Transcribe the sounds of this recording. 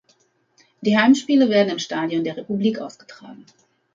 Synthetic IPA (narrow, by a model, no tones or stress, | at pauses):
d̥iːɦaɪmʃpiːlɐveːɐdn̩ɪmʃtaːdjɔndeːʁepubliːkʔaʊsɡ̥ə̥tʁ̥aːɡŋ̩